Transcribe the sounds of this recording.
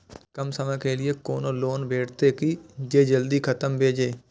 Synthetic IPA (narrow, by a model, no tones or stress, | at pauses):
kəmsəməjkeːlɪekoːnoːloːnbʱeːʈʰt̪ekid͡ʒeːd͡ʒəld̪ikʰət̪əmbʱeːd͡ʒeː